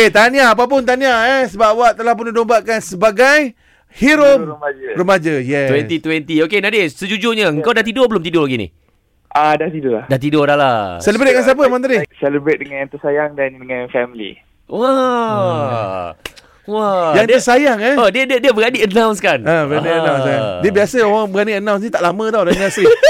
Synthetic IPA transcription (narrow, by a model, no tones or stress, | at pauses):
et̪aniaːp̬ap̬ʊnt̪̬aniaɛsəbapwaʔt̪əlahp̬ʊnidombaʔkansəbaɡaj | hiɾoməmad͡ʒərəmad͡ʒəjɛwɛnt̪it̪wɛnt̪iokenadesəd͡ʒud͡ʒʊɲəəŋkawdaht̪idobəlʊmt̪idolaɡinḭ | ʔadaht̪idʊlahdaht̪̬idodalasɛləbɾet̚d̚ŋãns̬iap̬əmãnt̪̬aɾisɛləbɾet̪̚dəŋãnãt̪əsajaŋdandəŋanfɛmlḭ | wa | wajaŋd̪əsajaŋɛodiədiədiəbəɡadiʔənawns̬kanəbəɣaniənawsajaŋdiəbiasəowaŋbəɡaniənãw̃snĩt̪aʔlamə̃t̪ɔlanasi